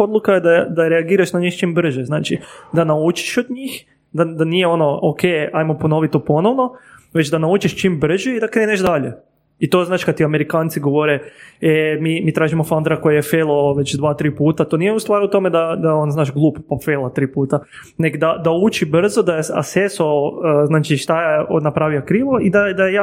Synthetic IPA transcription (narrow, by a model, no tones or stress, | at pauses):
od̪lˠukajed̪ad̪aɾeaɡiːɾaʃnaɲixt͡ʃiːmbr̩ʒɛznaːt͡ʃid̪anaut͡ʃi̥ʃod̪ɲiːx | d̪ad̪anijeono̞okʰejajmopono̞ʋit̪ːopo̞no̞ʋno̞ʋet͡ʃd̪anaut͡ʃiʃt͡ʃiːmbr̩ʒeid̪akɾeːneʃd̪aʎe | it̪oznaːʃkad̪t̪ːiameɾikaːnt̪siɡoʋoɾeemiːmiːt̪ɾaːʒimofand̪ɾakojajefelˠoʋet͡ʃd̪ʋaːt̪ɾiːpuːt̪at̪onijeust̪ʋaːɾut̪o̞med̪ad̪aonznaːʒɡlˠuːppafelˠat̪ɾiːpuːt̪a | neɡd̪ad̪aut͡ʃibr̩zod̪ajea̰sesoəznaːt͡ʃiʃt̪ajaonapɾaːʋiakɾiːʋoid̪ad̪aeja